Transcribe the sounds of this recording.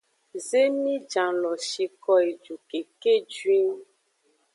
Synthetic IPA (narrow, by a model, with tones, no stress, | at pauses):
ze˦mĩ˦d͡ʒã˨lɔ˨ʃi˨kɔ˦e˨d͡ʒu˨ke˨ke˦d͡ʒwĩ˦ŋ